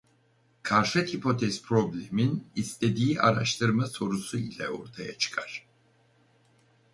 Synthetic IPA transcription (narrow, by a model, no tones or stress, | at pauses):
kʰaɾʃat̪hipʰot̪ʰɛzpʰɾoblʲɛminist̪ʰɛd̪iːʔaɾaʃt̪ʰɯɾmasoɾusuilɛo̰ɾt̪ʰajat͡ʃʰɨ̥kʰaɾ̥